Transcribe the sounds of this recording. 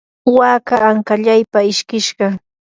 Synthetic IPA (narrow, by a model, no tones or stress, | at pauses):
waːkaːŋkaʎajpaɪʃkɪʃɢɑ